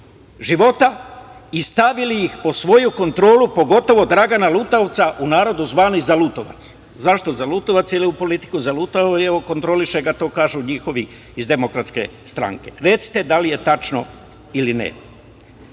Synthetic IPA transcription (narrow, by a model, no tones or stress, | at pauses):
ʒiʋo̞t̪aist̪aʋilijixpo̞sʋo̞juko̞nt̪ɾo̞ːlupo̞ɡo̞t̪o̞ʋo̞d̪ɾaɡanalut̪aoʋt̪saʔunaːɾo̞d̪uzʋaːnizalut̪o̞̰ʋa̰t̪s | zaʃt̪o̞zalut̪o̞ʋat̪siliupo̞lit̪i̥kuzalut̪aeoko̞nt̪ɾo̞liʃe̞ɡat̪o̞ːkaːʒuɲixo̞ʋi | izd̪e̞mokɾat̪ske̞̰st̪ɾa̰ŋke̞̰ɾe̞t̪si̥t̪e̞d̪alije̞t̪at͡ʃno̞̰ | ilinḛ